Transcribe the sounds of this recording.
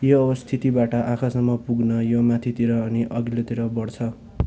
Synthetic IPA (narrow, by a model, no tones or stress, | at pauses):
joʌbʌst̪ʰit̪ibaʈʌʔakʰasʌmːʌpuɡnʌjomat̪ʰit̪iɾʌːniʔʌɡilet̪iɾʌbʌɽt͡sʰʌ